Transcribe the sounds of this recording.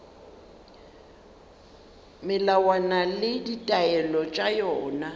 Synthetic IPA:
mɪlawanalɪditʼaɛlɔt͡ʃʼajɔːna

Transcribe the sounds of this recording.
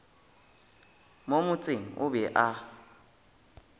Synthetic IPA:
momʊt͡sʼɪŋ̩ʊ̰bɛʔa

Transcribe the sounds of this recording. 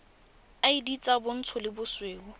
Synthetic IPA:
aidit͡sʼabʊn̩t͡sʰʊlɪbʊsweːʊ

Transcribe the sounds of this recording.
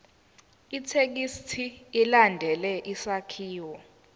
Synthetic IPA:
itʰek̬istʰiːlandʱɛlɛʔisakʰiːwɔ

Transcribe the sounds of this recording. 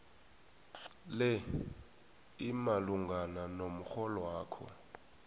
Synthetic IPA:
lɛ | imaluŋɡananom̩xɔlɔwaːkʰɔ̰

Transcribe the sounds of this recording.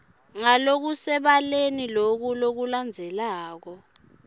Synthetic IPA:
ŋalok̬usɛɓalenilok̬ulok̬uland͡zʱɛlaːk̬ɔ

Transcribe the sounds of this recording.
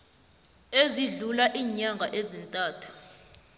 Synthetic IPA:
eziɮulaʔiːɲaŋɡʱaʔezintʼaːtʰu̥

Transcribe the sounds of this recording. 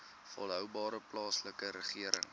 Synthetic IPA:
fɔlˠɦœwbɑːɾəplɑːsləkəɾəχiəɾə̰ŋ

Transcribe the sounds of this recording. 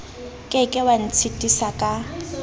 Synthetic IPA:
kʼɪkʼɪwan̩t͡sʰitʼisakʼa

